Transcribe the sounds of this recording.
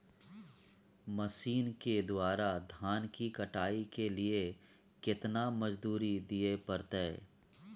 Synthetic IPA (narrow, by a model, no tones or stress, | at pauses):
mɐsiːnked̪waːɾad̪ʱaːnkikɐʈaːikelie | kɪt̪namɐd͡ʒd̪uːɾid̪iepɐɾt̪eː